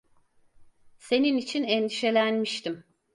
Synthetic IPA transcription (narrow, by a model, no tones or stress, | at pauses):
se̞ninit͡ʃʰinɛnd̪iʃe̞lʲænmiʃt̪ʰim